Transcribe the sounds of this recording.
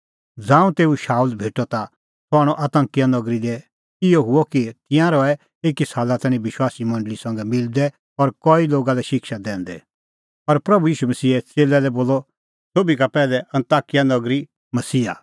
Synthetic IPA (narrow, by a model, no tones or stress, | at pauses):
d͡zãːũt̪eːuʃaːuːlbʱeːʈɔt̪a | t̪ɔɦaɽ̃ɔʔɐt̪ɐ̃ŋkijanɐɡɾid̪ɛ | ɪjɔɦʊɔkit̪ɪ̃jãɾɔɛ | eːkisaːlat̪ɛ̃ːñĩʋɪʃwaːsimɐ̃ɳɖəlisɐ̃ŋɡɛmɪld̪ɛ | ɔɾkɔiloːɡalɛʃɪkʃad̪ɛ̃ːnd̪ɛ̰ | ɔɾpɾɐbujiːʃumɐsiːɛt͡seːlɛlɛboːlːɔ | soːbikapɛːlɛʔɐ̃nt̪aːkijanɐɡɾi | mɐsiːa̰